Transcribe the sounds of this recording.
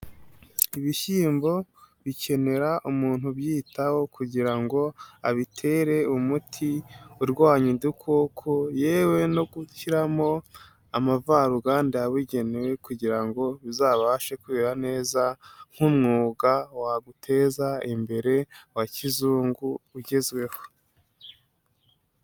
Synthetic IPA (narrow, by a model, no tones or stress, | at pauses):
iβiʃiːmbo̞βicʰe̞ne̞ɾaʔumuːn̥huβjiːtʰawo̞kʰuɟiɾaŋɡo̞aβitʰe̞ːɾe̞umutʰiuɾɡaːɲidukʰokʰoje̞ːwe̞no̞ɡuçiɾamo̞ | amavaɾuɡaːndiaβiɟe̞newe̞kuɟiɾaŋɡo̞βizaβaaʃe̞kweɾane̞ːzaŋ̥humŋuːɡawaɡutʰe̞zaimbe̞ɾe̞wacizuːŋɡuːɟezɡwe̞ho̞